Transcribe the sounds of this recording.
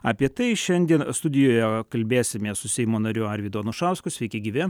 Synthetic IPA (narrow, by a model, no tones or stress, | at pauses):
ɐːpʲiɛt̪ɐɪʃʲɛnʲd̪ʲiɛnst̪ʊd̪ʲɪjoːjɛkɐlʲbʲeːsʲɪmʲeːssʊsʲɛɪmoːnɐɾʲʊɐɾʲʋʲid̪oɐnʊʃɑˑʊskʊsʲʋʲɛɪkʲɛɡʲiːʋʲɛ